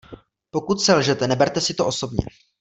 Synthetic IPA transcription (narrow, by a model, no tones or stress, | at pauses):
po̞kut̪sɛlʒɛt̪ɛnɛbɛɾt̪ɛsɪt̪oʔo̞so̞bɲɛ̰